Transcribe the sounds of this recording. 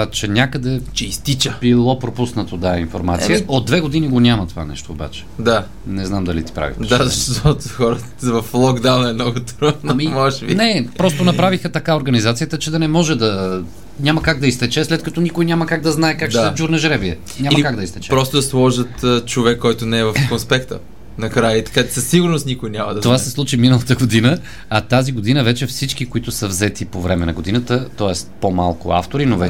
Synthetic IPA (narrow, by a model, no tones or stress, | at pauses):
t͡ʃɛnʲjakəd̪ɛt͡ʃɛist̪it͡ʃəbilˠɔpɾopusnət̪od̪aɛinfoɾma̰t̪sijəod̪̚ːvɛɡod̪iniɡonʲamɐt̪ova̰nɛ̰ʃt̪oːba̰t͡ʃɛ̥d̪a | nɛznamd̪ɐlḭt̪i̥pɾa̰vḭxpɾd̪aɐʃt̪ot̪xɔɾə | vɐflˠɔɡd̪anɛmnɔɡot̪ɾonamimɔʃvinɛpɾɔst̪onɐpɾavixət̪ɐkaoɾɡɐnizat̪sijət̪ət͡ʃɛd̪ɐnɛmɔʒɛd̪ɐ | nʲamɐkaɡ̚d̪ɐist̪ɛt͡ʃɛslɛt̪kɐt̪ɔnikojnʲaməkaɡ̚d̪ɐznaɛkakʃɛd͡ʒuɾnɐʒɾɛviɛ | nʲamɐmkaɡd̪ɐist̪ɛt͡ʃɛpɾɔst̪ʊd̪ɐslˠɔʒət̪ːt͡ʃovɛkːɔjt̪ʊnɛɛvɐfkonspɛkt̪ə̰ | nɐkɾajət̪ɐ̥kat͡ʃɛsɐsːiɡʊɾnoʊst̪nikojnʲamɐd̪ɐt̪ovasɛslˠut͡ʃiminəlˠɐt̪əɡod̪inə | ɐt̪aziɡod̪inəvɛt͡ʃɛfsit͡ʃkikoit̪ʊsəvzɛt̪ipovɾɛmɛnɐ̰ɡod̪inət̪ət̪ɔɛst̪poma̰lˠkʊ̰a̰ft̪oɾinovɛ